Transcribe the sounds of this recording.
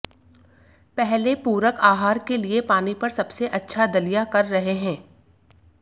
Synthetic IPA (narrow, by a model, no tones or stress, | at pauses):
pɛɦlepuːɾəkaːɦaːɾkeliepaːnipɐɾsɐbseʔɐtːʃʰad̪ɐlijakɐɾːɐɦeɦɛ̃ː